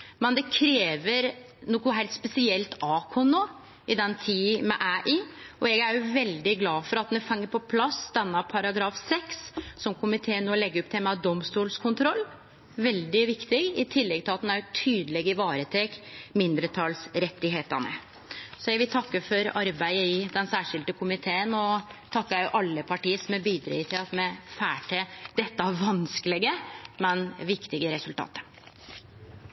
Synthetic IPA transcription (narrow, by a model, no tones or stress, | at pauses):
mɛnd̪ɛkʰɾeːʋəɾ | nɔkʊɦæɪlt̪spɛsɪɛlt̪ɑːkʰɔnoː | ɪd̪ɛnt̪ʰiːmɛ̰ʔæːʔiːʔɔɛɡæɾjʊʋɛld̪ɪɡlɑːfɔɾɑt̪nɛfɛŋːəɾpʰɔpʰlɑsd̪ɛnːɑpʰɑɾɑɡɾɑːfsɛksːɔmkʰʊmɪt̪ʰeːnoːɔlɛɡːəɔp̚ːt̪ʰɛmɑd̪ɔmst̪uːlskʰʊnt̪ʰɾɔlː | ʋɛld̪ɪʋɪkt̪ɪɡɪt̪ʰɪlːɛɡ̚t̪ʰɪlɑt̪næɾt̪ʰyːd̪əlɛɡɪʋɑːɾət̪ʰɛkmɪnd̪ɾət̪ʰɑlsɾɛt̪ːɪɦeːt̪ənə̰ | sɔjæɡʋɪlt̪ʰɑkːəfɔɾɑɾbæɪəɪd̪ɛnsæːʂɪld̪əkʰʊmɪt̪ʰeːənɔt̪ʰɑkːæjʊʔɑlːəpʰɑʈiːəsɔmɛbiːd̪ɾḛːt̪ʰeɑt̪mɛfæːʈʰəd̪̥ɛt̪ːəʋɑnskəlɪɡəmɛnʋɪkt̪ɪɡəɾɛsʉlt̪ʰɑ̰ːt̪ə̥